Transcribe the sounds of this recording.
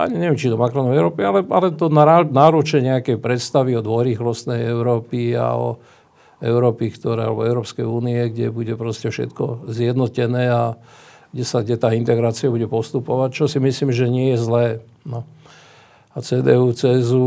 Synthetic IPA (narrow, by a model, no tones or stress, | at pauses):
ʔa̰ɲiɲɛʋjɛmt͡ʃid̪ɔmakɾɔnɔɛʊɾɔːpialɛalɛt̪ɔnaanaɾut͡ʃɛɲɛakɛjpɾɛt̪st̪aʋiɔd̪ʋɔjɾiːxlɔst̪nɛjɛʊɾɔːpia̰ɔ̰ | ɛʊɾɔːpikt̪ɔɾɛ̰ːa̰lɛ̰bɔɛʊɾɔːpskɛjuːniɛɡɟɛbuɟɛpɾɔscɛfʃɛ̰t̪kɔzjɛd̪nɔcɛnɛːa | ɡ̥ɟɛsaɡɟɛt̪aːint̪ɛɡɾaːt͡siabuɟɛpɔst̪upɔʋac̚t͡ʃɔsimisliːmʒɛɲɪɛjɛzlɛː | nɔ | at͡sɛːd̪ɛ̰ːuːt͡sɛzu